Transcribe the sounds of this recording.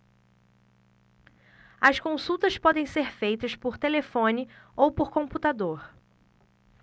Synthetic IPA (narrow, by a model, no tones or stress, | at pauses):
ɐskõsuwt̪ɐspɔd̪ẽj̃seɾfejt̪ɐspoɾt̪elefõnɪowpoɾkõput̪ad̪oɾ